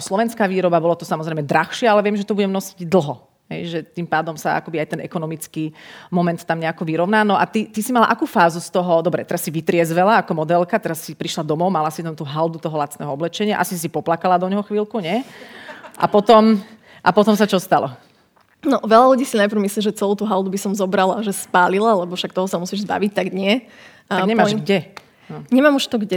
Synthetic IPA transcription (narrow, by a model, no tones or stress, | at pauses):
slɔʋɛnskaːʋiːɾɔbabɔlɔt̪ɔsamɔzɾɛɪmɛd̪ɾaxʃɪɛalɛʋɪɛmʒɛt̪ɔbuɟɛmnɔsiɟd̪l̩ˠɦɔ | ɦɛ̰jʒɛt̪impaːd̪ɔmsaa̰kɔbiajt̪ɛnʔɛ̰kɔnɔmit͡skiːmɔmɛnt̪ːamɲɛakɔʋiɾɔʊnaːnɔʔat̪it̪isimala̰ʔakuːfaːzust̪ɔɦɔd̪ɔbɾɛ̰t̪ɛɾasːiʋit̪ɾɪɛzʋɛlaakɔmɔd̪ɛlkat̪ɛɾasːipɾiʃlad̪ɔmɔʊmalasit̪amt̪uːɦald̪ut̪ɔɦɔlat͡snɛɦɔɔblɛt͡ʃɛɲɪaʔa̰sis̬ipɔplakalad̪ɔɲɦɔxʋiːlkuɲɛ | ʔa̰pɔt̪ɔm | ʔapɔt̪ɔmsat͡ʃɔst̪alɔ̰ | nɔʋɛlaluɟiːsinajpɾʊmisliːʒɛt͡sɛluːt̪uːɦald̪ubisɔmzɔbɾalaʒɛspaːlilalɛbɔfʃak̚t̪ɔɦɔsamusiːʒzba̰ʋic̚t̪aɡɲɪɛ | aɲɛmaːʒɡɟɛ | nɔɲɛmaːmuʃt̪ɔɡɟɛ